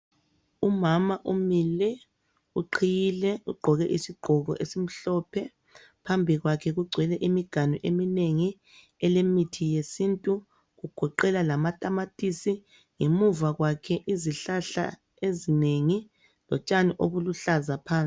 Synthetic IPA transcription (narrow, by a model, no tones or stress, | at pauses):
umamaʔumilɛ | uǃʰijilɛuɡ͡ǃʱɔɣɛʔisiɡ͡ǃʱɔɣɔ̰ʔesim̩ɬɔpʰɛ | pʰambʱiɣwakʰɛɣuɡ͡ǀʱwɛlɛʔimiɡ̥ʱaniʔemineŋi | ɛlemitʰijesintʼu | ɣuɡ̥ʱɔǃɛlalamatʼamatʼisi | ŋemuvaɣwakʰɛʔiziɬaɬa̰ | ezineŋi | lɔt͡ʃʼaniʔoβuluɬazapʰaːnt͡sʼi